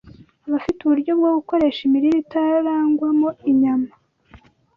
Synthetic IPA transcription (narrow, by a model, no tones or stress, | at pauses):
βafituβuɾɟo̞b̚ɡoɡuko̞ɾe̞ːʃimiɾiɾitaɾaːŋɡwamoiɲama